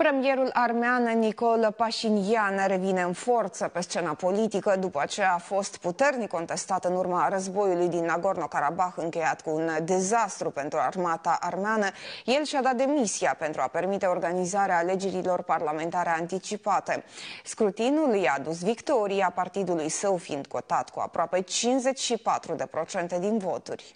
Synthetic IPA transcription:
pɾe̞mije̞ɾulʔarmeanniko̞lpaʃinjanɾe̞vine̞ɨnfo̞rt̪səpe̞st͡ʃe̞napo̞lit̪ikəd̪upəat͡ʃe̞jaːfo̞st̪put̪e̞rnikːo̞nt̪e̞st̪at̪ɨnurmarəzbo̞julujd̪inaɡo̞rno̞kaɾabaxɨŋkʲe̞jat̪kuːnd̪e̞zast̪ɾupent̪ɾua̰rmat̪aʔarmeanəje̞lʃad̪at̪̚d̪e̞misiape̞nt̪ɾuape̞rmit̪e̞o̞rɡanizaɾeaːle̞d͡ʒe̞ɾilo̞rparlame̞nt̪aɾe̞ant̪it͡ʃipat̪e̞skɾut̪inuljaːd̪us̬vikt̪o̞ɾiapart̪id̪ulujsəwfiind̪̥ko̞t̪at̪kua̰pɾoape̞t͡ʃinze̞t͡ʃʲʃipat̪ɾud̪e̞pɾo̞t͡ʃe̞nt̪e̞d̪invo̞t̪urʲ

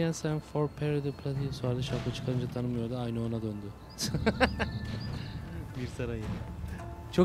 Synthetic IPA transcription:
jɛnsɛnfoɾpʰɛɾɯd̪ɯpʰlʲat̪ʰisuaɾd̪ɯʃakʰat͡ʃʰɯ̥kʰaɾɯnd͡ʒat̪ʰanɯmɯjo̞ɾd̪aajnɯo̞nad̪ønd̪y | biɾsaɾajɯn | t͡ʃʰo

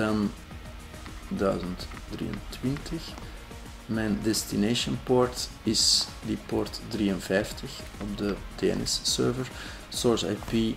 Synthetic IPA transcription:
əm | dœːzəntdrḭːə̰ntwɪntəx | mɛndɛstineːʃənpɔɹt | ɪs | dipɔrtdriːənvɛjftəx | ɔb̚dətɛɛ̰nɪ̰sːøːɹvəɹ | sɔɹsa̰jpi

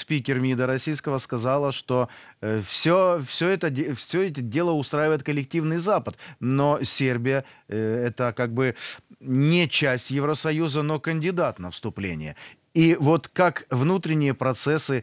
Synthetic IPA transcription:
spʲikʲɪrmʲid̪əɾɐsʲijskəvəskɐzalˠəʂt̪ofsʲofsʲɵɛt̪əfsʲɵɛt̬ʲɪdʲe̞lˠəʊst̪ɾajɪvəjɪt̪̚kəlʲɪk̚tʲivnɨjzapət̪nosʲerbʲɪjə | ɛt̪əkaɡ̚bɨ | nʲɪt͡ɕæsʲtʲjɪvɾəsɐjuzəno̞kənʲdʲɪd̪at̪nəfst̪ʊplʲḛnʲɪ̰jə̰ | ivo̞t̪kakvnut̪ɾʲɪnʲɪjəpɾɐt̪sɛsɨ

